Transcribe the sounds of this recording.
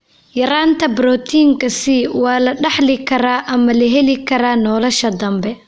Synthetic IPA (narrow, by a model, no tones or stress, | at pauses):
jɐɾaːnt̪ʰɐbɾɔt̪ʰiːŋkʰɐsiwɑːlɐɖɑħlɪkʰɐɾaːʔɐmɐlɐɦɛlɪkʰɐɾaːnɔːlɔʃɐd̪ɐmbɛ